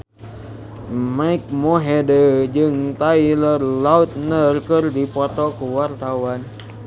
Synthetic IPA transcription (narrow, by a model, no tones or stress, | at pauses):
maik̚mɔɦedəd͡ʒɨŋt̪ailərlaut̪̚nərkɨrdipɔt̪ɔkuwart̪awan